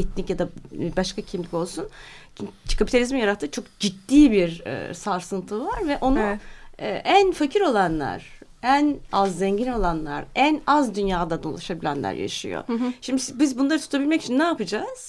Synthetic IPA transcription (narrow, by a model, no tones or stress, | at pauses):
ɛt̪̚ʰnicjad̪abaʃkacʰimlʲico̞lˠsun | kʰapʰit̪ʰalʲizmijaɾat̪ʰːɯːt͡ʃʰo̞k̚d͡ʒit̪ːiːbiɾ̰saɾsɯnt̪ʰɯvaɾvɛʔo̞nuɛ̰ːʔænfacʰiɾo̞lˠanlˠa̰ɾ̥ænazːɛɲɟino̞lˠanlˠa̰ɾænazd̪ynjaːd̪ad̪alˠaʃabilʲæ̰nlʲæ̰ɾja̰ʃɯ̰jo̰ʃimd̪ibizbunlˠaɾɯt̪ʰu̥t̪ʰabilʲmɛcit͡ʃʰinːaːpɯd͡ʒaz̥